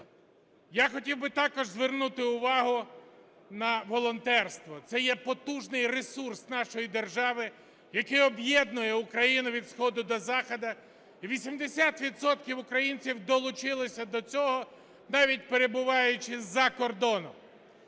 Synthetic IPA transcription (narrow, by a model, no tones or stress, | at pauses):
jaxɔtʲiwbɪt̪ɑkɔʒzʋernut̪ɪʊʋɑɦʊ | nɐʋɔlˠɔnt̪ɛrst̪ʋɔt̪sɛjɛpɔt̪uʒnɪjresursnɑʃɔjid̪erʒɑʋɪ | jɐkɪjɔbjɛd̪nʊjɛʊkɾɐjinʊʋʲid̪sxɔd̪ʊd̪ɔzɑxɔd̪ɐ | iʋʲisʲimd̪esʲat̪ʋʲid̪sɔt̪kʲiwʊkɾɐjinʲt͡sʲiwd̪ɔlˠʊt͡ʃɪlˠɪsʲɐd̪ɔt͡sʲɔɦɔ | nɑʋʲit̚ʲpeɾe̞bʊʋɑjʊt͡ʃɪzɐkɔrd̪ɔnɔ̰m